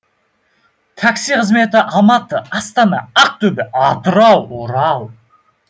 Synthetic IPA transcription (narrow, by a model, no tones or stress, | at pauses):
t̪ʰaksijqʰəzme̞t̪ɪʔɑmɑt̪əɑst̪ɑnɑ̰ɑq̚t̪ʰɵbɪʔɑt̪əɾɑwoɾɑw